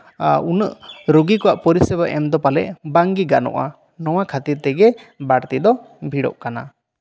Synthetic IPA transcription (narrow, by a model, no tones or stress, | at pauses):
unəʔɾoɡikɔwaʔpɔɾisɛbaʔɛmd̪ɔpalɛʔbaŋɡiɡanɔ̰ʔa̰ | nɔw̃akʰat̪iɾt̪ɛɡɛ | baɽt̪id̪ɔ | bʱiɽɔ̰ʔkana̰